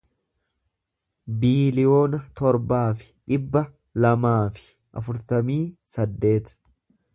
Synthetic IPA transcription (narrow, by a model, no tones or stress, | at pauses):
biːlɪjo̞ːnɐt̪ɔɾbaːfɪ̥ᶑɪbːɐ | lɐmaːfɪ̥ | ʔɐ̰fʊɾt̪ɐmiːsɐd̪ːe̞ːt̪